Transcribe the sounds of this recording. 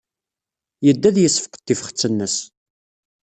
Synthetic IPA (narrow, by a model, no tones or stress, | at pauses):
jəd̪ːæðjəsːə̥fqə̥t̪ːifχə̥t͡sːənːəs